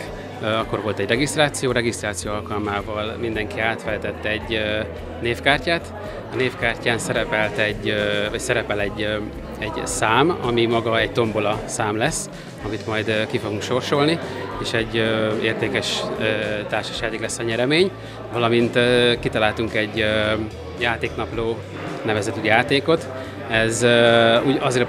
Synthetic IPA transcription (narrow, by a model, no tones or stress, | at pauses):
ɒkːo̞rʋo̞lt̪ɛɟrɛɡist̪raːt̪sijoːɾɛɡist̪raːt̪sijoːɒlkɒlmaːvɒlmind̪ɛŋkiaːt̪fɛlt̪ɛt̪ːɛɛɟ | neːfkaːrcaːt̪ | ɒneːfkaːrcaːnsɛɾɛpɛlt̪ɛɟːvɒcsɛɾɛpɛlɛɟː | ɛɟsaːmɒ̰mimɒɡɒɛɟt̪o̞mbolɒsaːmlɛsː | ɒmit̪mɒjd̪kifo̞ɡuŋkʃo̞rʃo̞lnieːʃɛɟːøḛːrt̪eːkɛʃøːt̪aːrʃɒ̥ʃjaːt̪eːklɛsːɒɲɛɾɛmeːɲ | vɒlɒmint̪ːkit̪ɒlaːlt̪uŋkɛɟː | jaːt̪eːknɒploː | nɛvɛzɛt̪yjaːt̪eːko̞t̪ | ɛzøuːɟɒzeːɾ